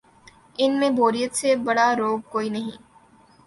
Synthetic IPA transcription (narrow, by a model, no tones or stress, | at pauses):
ɪnmẽbʱoːɾijət̪sebɐɽaɾoːb̚koːinɐɦĩː